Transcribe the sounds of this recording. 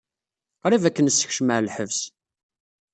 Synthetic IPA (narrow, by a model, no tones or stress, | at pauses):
qɾˤivækːənsːə̥çʃməʕlħəvs